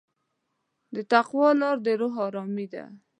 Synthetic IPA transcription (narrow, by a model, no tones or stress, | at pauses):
d̪ət̪aqwɑlɑɾd̪əɾʊɦɑɾɑmid̪a̰